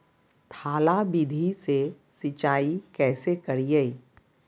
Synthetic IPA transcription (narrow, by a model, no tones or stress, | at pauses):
t̪ʰaːlabid̪ʱise | sɪt͡ʃaːikɛːsekɐɾijei